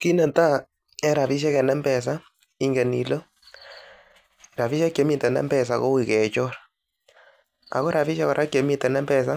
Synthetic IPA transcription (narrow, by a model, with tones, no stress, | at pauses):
ki˦nɛ˨ta˦ | ɛ˦ɾa˨pi˦ʃ̬ɛ˦kɛ˨nɛ˦mbɛ˨s̬a˦ | i˦ŋɡe˨ni˨lo˦˨ | ɾa˨pi˦ʃa˦kje˨˦mi˨tɛ˨nɛ̰˦mbɛ˨s̬a˨ko˦wi˨kɛ˨t͡ʃɔ˦ɾ | a̰˨ko˦ɾa˨fi˦ʃa˦kɔ˨ɾʔa˦kje˨mi˦tɛ˨nɛ˦mbɛ˨s̬a˦